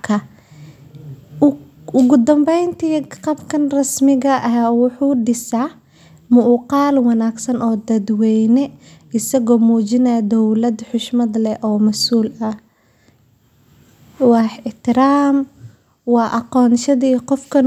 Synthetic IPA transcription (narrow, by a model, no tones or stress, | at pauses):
kʰɐ | ʊɣʊd̪ɐmbɛjnt̪ʰiːqɑbkʰɐnrɐsmɪɣɐʔɐɦaːwʊħuːɖɪsaː | mʊʔqɑːlwɑnaːɡsɐnʔɔːd̪ɐd̪wɛjnɛɪsɐɣɔːmuːt͡ʃɪnɐjd̪ɔwlɐd̪ħʊʃmɐd̪lɛʔɔːmɐsuːlɐ | wɑħɪħt̪ʰɪɾaːm | wɑːʔɑqɔːnʃɐðiqɔfkʰɐn